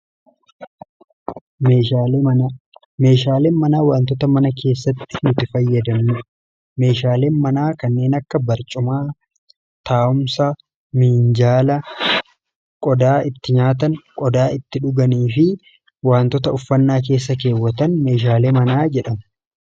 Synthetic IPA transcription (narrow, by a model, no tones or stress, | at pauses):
me̞ːʃaːleːnmɐnaːwaːnt̪̬ɔt̪ɐmɐnɐkʰe̞ːsːɐt̪ːɪ̥nʊt̪ɪfɐjːɐd̪ɐmnʊ | me̞ːʃaːle̞ːnmɐnaːkɐnːe̞ːnɐkːɐbɐɾt͡ʃʼʊmaː | t̪aːʊmsɐ | miːnd͡ʒaːlɐ | kʼɔd̪aːʔɪt̪ːɪɲaːt̪̬ɐnkʼɔd̪aːɪt̪ːɪᶑʊɡɐniːfɪ | waːnt̪ɔt̪ɐʊfːɐnːaːk̬e̞ːsːɐke̞ːwːɐt̪ɐnme̞ːʃ̬aːleːmɐnaːd͡ʒɛᶑɐm